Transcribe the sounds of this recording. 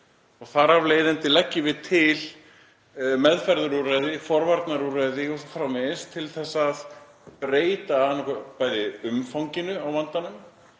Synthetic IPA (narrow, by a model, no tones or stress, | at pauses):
ɔɣθaɾavleːjðɪnt̪ɪlɛcːɪvɪðt̪ʰɪl | mɛðfɛɾðʏɾuraðɪfɔɾvaɾt̪naɾuraðiɔfɾawmɪst̪ʰɪlθɛsːað | pɾeːjt̪aanɔkpaːjðɪʏmfawɲcɪnʏawvant̪anʏm